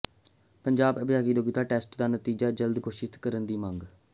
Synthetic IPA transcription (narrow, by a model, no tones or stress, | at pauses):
pəɲd͡ʒaːbəbjaːkiːloːɡɪt̪aːʈɛːsʈd̪aːnət̪iːd͡ʒaːd͡ʒəld̪koːʃɪt̪kəɾənd̪iːmə̃ŋɡ